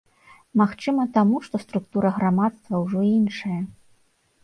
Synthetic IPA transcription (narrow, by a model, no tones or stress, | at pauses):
maxt͡ʂɨmɐt̪amuʂt̪ɔst̪ɾukt̪uɾɐɣɾamat̪st̪vɐwʐɔinʂɐjɐ